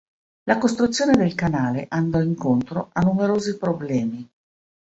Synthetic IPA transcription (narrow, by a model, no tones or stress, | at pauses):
lakost̪ɾut̪sːjoːned̪elkanaːleʔand̪ɔiŋkont̪ɾoanːumeɾoːzipɾoblɛːmi